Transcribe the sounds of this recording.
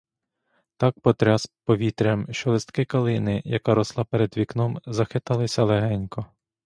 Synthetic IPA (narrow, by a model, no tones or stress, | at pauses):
t̪ɑk̚pɔt̪ɾʲaspɔʋʲit̪ɾʲɛmʃt͡ʃɔlˠɪst̪kɪkɐlˠɪnɪjɐkɑɾɔslˠɑpeɾɛd̪ʋʲiknɔmzɐxɪt̪ɐlˠɪsʲɐlˠɛɦɛnʲkɔ